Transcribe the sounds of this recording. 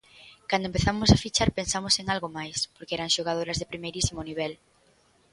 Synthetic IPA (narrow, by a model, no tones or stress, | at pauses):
kand̪oempeθamʊsafit͡ʃaɾpensamoseŋalɣomajspoɾkeɛɾaŋʃoɣað̞oɾazðepɾimejɾisimoniβ̞ɛl